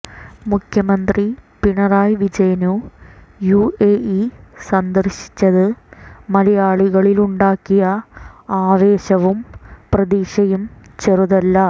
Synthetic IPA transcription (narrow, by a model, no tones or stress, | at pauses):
mukʰjɐmɐnd̪ripiɳɐraːjʋid͡ʑɐjɐnu | jueːʔisɐnd̪ɐrɕi̥t͡ɕːɐðɨmɐlɐjaːɭiɣɐɭiluɳɖaːkːijɐaːʋe̞ːɕɐʋumprɐðiːʂɐjumt͡ɕeruðɐlːɐ